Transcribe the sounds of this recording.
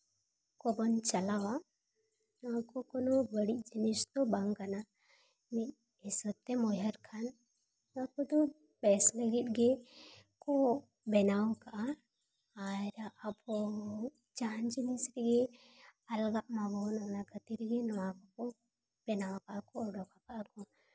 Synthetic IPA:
kɔbɔnt͡ʃɐlawa | nɔakɔkɔnɔbəɽid͡ʒinist̪ɔbaŋkana | mi | isɔt̪ɛmɔjəɾkʰan | akɔt̪ɔ | bɛsləɡit̪̚ɡɛkɔ | bɛnawkaʔa | aɾapɔ | t͡ʃand͡ʒinisɾɡɛ | ɐlɡaʔmaɡɔnanakət̪iɾɡɛnɔakɔkɔ | b̥ɛnawkaʔakɔɔɖɔkakaʔakɔ

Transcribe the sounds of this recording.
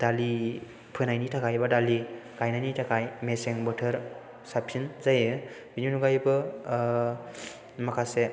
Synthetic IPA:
d̥ali | pʰɯnajnitʰakʰajbadaliɡajnajnitʰakʰajmeseŋbətʰɯɾ | sapʰinzajɯ | binunuɡajbɯ | makʰase

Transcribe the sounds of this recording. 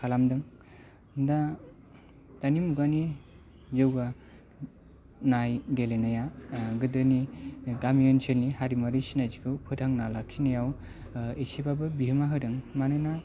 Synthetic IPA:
kʰalamdɯŋ | da | tanimuɡani | zɯwɡa | najɡelenajaɡɯdɯniɡamijɯnsʰelnihaɾimaɾisinazikʰɯwpʰɯdaŋnalakʰinajaw | esebabɯbiɦɯmaɦɯdɯŋmanɯna

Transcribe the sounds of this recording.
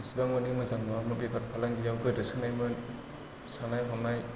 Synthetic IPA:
isibaŋmɯnimɯzaŋmɯmɯbikʰat̚pʰalaŋɡijawɡɯdɯsɯnajmɯ | sanajɦɔnaj

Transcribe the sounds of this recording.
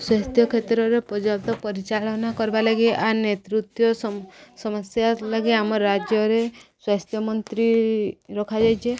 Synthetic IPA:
swast̪ʰjɔkʰet̪ɾɔɾepɔd͡ʒap̚t̪ɔpɔɾit͡ʃalɔnakɔɾbalaɡiʔanet̪ɾut̪jɔssɔmɔsjalaɡiamɔɾɾad͡ʒjɔɾeswast̪ʰjɔmɔnt̪ɾiɾɔkʰad͡ʒajt͡ʃʰe

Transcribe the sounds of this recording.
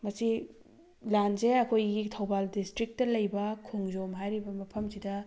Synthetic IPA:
mɐsi | lanzeɐkʰojɡitʰɐwbaldistɾik̚tɐlɐjbɐkʰuŋzomɦajɾibɐmɐpʰɐmsidɐ

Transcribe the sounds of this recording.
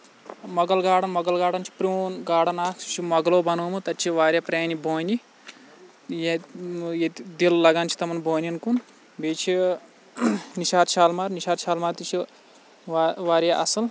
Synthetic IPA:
mɔɡɐlɡaːɽɐnmɔɡɐlɡaːɽɐnt͡ʃʰi̥pɾunɡaːɽɐnaːksi̥t͡ʃʰimɐɡɐloːbɐnoːmɨt̪ɐt͡ʃːiʋaːɾjɐpɾeːnibʱoːni | jeet̪d̪illɐɡaːnt͡ʃi̥t̪ɐmɐnbʱoːninkun | beːt͡ʃʰi | niʃaːd̪ʃaːlmaːɾniʃaːd̪ʃaːlmaːɾt̪it͡ʃʰi | ʋaːɾjaʔɐsɐl

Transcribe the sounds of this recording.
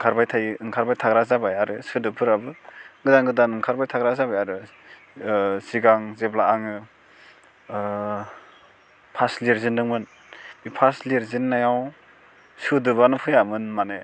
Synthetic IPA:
ɯŋkʰaɾbajtʰajɯŋkʰaɾbajtʰaɡɾazabajaɾɯsɯdɯpʰɯɾabɯɡɯdaŋɡɯdanɯŋkʰaɾbajtʰaɡɾazabajaɾɯ | siɡaŋzeblaaŋɯ | pʰasliɾzindɯŋmɯn | b̥ipʰasliɾzinːajaw | sɯdɯbanɯpʰɯjamɯnmane

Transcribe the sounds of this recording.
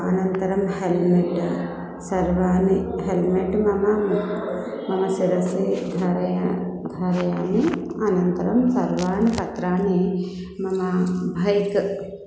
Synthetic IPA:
ɐnɐnt̪ɐɾɐmhelmeʈ | sɐɾʋaːniɦelmeʈmɐmɐm | mɐmɐsiɾɐsid̪ʱaɾɐjad̪ʱaːɾɐjaːniɐnɐnt̪ɐɾɐmsɐɾʋaːɳipɐt̪ɾaːɳi | mɐmɐbʱɐjk

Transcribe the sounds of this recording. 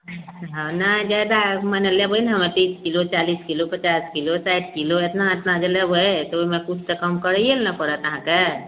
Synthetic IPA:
ɦãnad͡ʒajd̪amənəljebəilnɦəməɾt̪ĩskilot͡ʃaliskilopət͡ʃaskilosajʈ̚kiloet̪naet̪nad͡ʒelebʱojt̪ɔoimekut͡ʃʰt̪ekəmkəɾəjelnəpəɾət̪əɦãke

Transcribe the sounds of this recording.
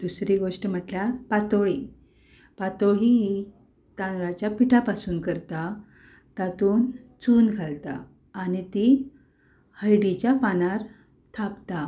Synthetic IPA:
d̪̥usɾiɡoʂʈəm̤əʈljapat̪oɭi | pat̪oɭi | t̪anɾat͡ɕjapiʈʰapasuːnkəɾt̪a | t̪at̪uːnt͡suːnɡʱalt̪a̰ː | nit̪i | həjɽit͡ɕjapanaɾ | t̪ʰapt̪a

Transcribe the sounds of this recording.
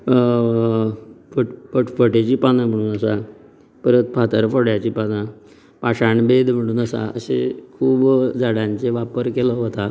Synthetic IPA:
fəʈfəʈfəʈet͡ɕiːpanam̤əɽ̃uːnəsa | pəɾət̪pʰat̪əɾfoɽjat͡ɕiːpana | paɕaɳbed̪m̤əɽ̃uːnəsa̰ə̰sḛkʰuːbd͡zaɽãɲt͡seʋapəɾkelɔɦot̪a

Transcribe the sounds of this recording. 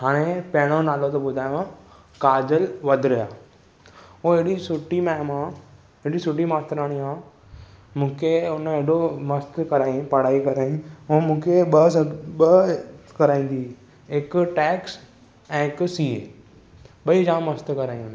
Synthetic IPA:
ɦaːɽ̃epɐɦɪɽ̃onaːlot̪oɓʊd̪ʱaːj̃ã | kaːd͡ʑəlʋɐd̪ʱɾɐjaː | õɪɽisʊʈimɛːmã | ɦɪɽisʊʈimaːst̪ɾaːɽ̃iɦãː | mũːkʰeʊnəeɽomɐst̪kɐɾaːĩpɐɽ̤aːikɐɾaːĩũmũːkʰeɓɐɓɐkɐɾaːĩːn̆d̪iː | ɪkʈɛːks | ɛ̃ːɪksiːe | ɓɐid͡ʒãːmːɐst̪kɐɾaːĩn

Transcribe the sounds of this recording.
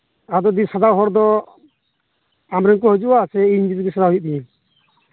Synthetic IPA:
ad̪ɔd̪isad̪aɦɔɾd̪ɔ | amɾɛŋkɔɦɔd͡ʒuʔasɛiɲd͡ʒiɾɡisad̪aɦujʔ̚biɲɛ

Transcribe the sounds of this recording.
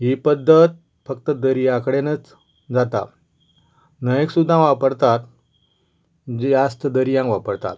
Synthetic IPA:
ɦipəd̪ʱːət̪ | fəkt̪əd̪əɾijãkəɽenət͡s | d͡zat̪a̰ | nəjeksud̪ʱːãʋapəɾt̪at̪ | d͡ziast̪əd̪əɾijãŋkʋapəɾt̪a̰t̪̚

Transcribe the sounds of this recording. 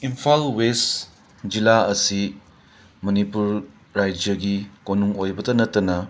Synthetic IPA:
impʰalwes | d͡ʒilaɐsi | mɐnipuɾ | ɾajd͡ʒɐɡikonuŋojbɐtɐnɐtːɐnɐ

